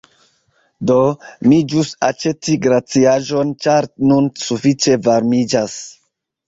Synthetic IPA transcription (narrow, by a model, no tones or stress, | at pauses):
domid͡ʒusat͡ʃe̞tiɡɾat͡siaʒo̞nt͡ʃaɾnunsufit͡ʃe̞vaɾmid͡ʒas